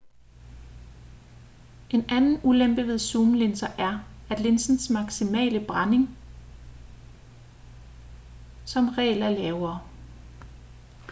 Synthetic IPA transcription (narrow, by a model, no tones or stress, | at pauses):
ʔe̝nænn̩ulemb̥əʋe̝ðˠsuːməle̝nsɐʔæɐæd̥le̝nsn̩smɑ̈ɡ̥simɛ̰ːləb̥ʁɑne̝ŋ | sɒ̽mʁɛ̰ːlæɐlɛːʊɐː